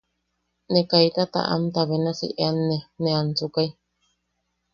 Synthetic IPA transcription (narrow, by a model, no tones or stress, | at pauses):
nekait̪at̪a̰ʔa̰mt̪aβenasḭʔeanːenẽant͡sukai